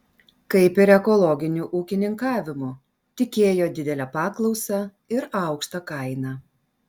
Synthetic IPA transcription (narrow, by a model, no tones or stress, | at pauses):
kɐɪpɪɾɛkɔlˠɔɡʲɪnʲuʔuːkʲɪnʲɪŋkɑːʋʲɪmʊ | t̪ʲɪkʲeːjoːd̪ʲɪd̪ʲɛlʲɛpɑːklˠɒʊsʲɑ | ɪɾɑʊkʃt̪ɐkɐɪnɑ